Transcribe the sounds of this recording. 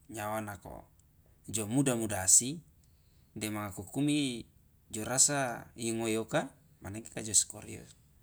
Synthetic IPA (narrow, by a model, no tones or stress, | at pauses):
ɲawanako̰ | d͡ʒomudamudaːsi | dɛmaŋakukumi | d͡ʒoɾasajiŋoioka | manekekad͡ʒosko̰ɾḭo̰